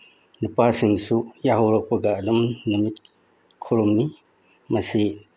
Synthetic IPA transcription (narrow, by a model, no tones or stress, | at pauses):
nupasiŋsujaɦoɾɔk̚pɐɡaːlumnumit̚ | kʰuɾumni | mɐsi